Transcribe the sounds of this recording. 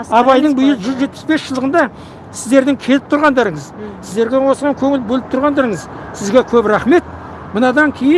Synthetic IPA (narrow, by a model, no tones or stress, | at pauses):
ɑbɑjd̪əbʊjəlˠʒʏzʒet̪pɪ̥sbe̞sʒəlˠd̪əʁənd̪ɑ | sɪzd̪e̞ɾd̪ɪŋkʲʰe̞lɪp̚t̪ʰʊɾʁɑnd̪ɑɾəɴəzsɪzd̪e̞ɾɡʲe̞wo̞sʁɑŋkʲʰɵŋɪlbɵlɪp̚t̪ʰʊɾʁɑnd̪ɑɾəŋəzsɪzɡʲe̞kʲʰɵbɾæχme̞t̪̚ | mənɑd̪ɑŋkʲʰejɪ